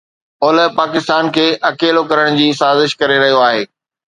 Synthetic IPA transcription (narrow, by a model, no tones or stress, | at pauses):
oːləɦpaːkɪst̪aːnkʰeːʔɐkeːlokɐɾəɽ̃d͡ʑiːsaːzɪʃkɐɾeɾɐɦijoaːɦeː